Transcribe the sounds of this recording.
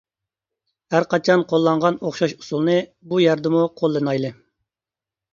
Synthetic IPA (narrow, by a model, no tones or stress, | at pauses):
hæɾqɑt͡ʃʰɑnqʰolˠːɑɴʁɑnoχʃɑʃu̥sulˠnɨbujɛɾd̪ɪmuqʰolˠːɨnɑjlˠɨ